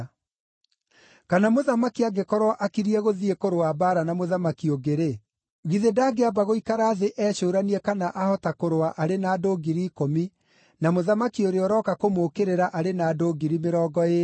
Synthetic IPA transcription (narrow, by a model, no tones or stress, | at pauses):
kanamoðamakiaɡekɔɾwaʔakiɾiɛɣoðiekoɾowabaːɾanamoðamakioɡeɾe | ɣiðedaːɡeabaɣoikaɾaːðeʔɛːɕoːɾaniɛkanaʔahɔtakoɾowaʔaɾenaːdoːɡiɾiːkomi | namoðamakioɾeɔɾɔkakomoːkeɾeɾaʔaɾenaːdoːɡiɾimeɾɔːɡɔe